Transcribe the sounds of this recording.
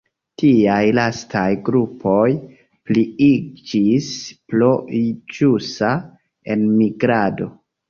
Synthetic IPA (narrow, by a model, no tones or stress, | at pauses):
tiajlastʰajɡɾupʰo̞j | pliid͡ʒisploid͡ʒusa | e̞nmiɡɾado̞